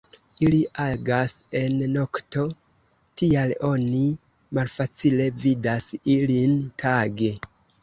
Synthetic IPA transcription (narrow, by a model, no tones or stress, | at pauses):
iliʔaɡase̞nːo̞kto̞ | tialo̞ni | malfat͡sile̞vidasilintʰaɡe̞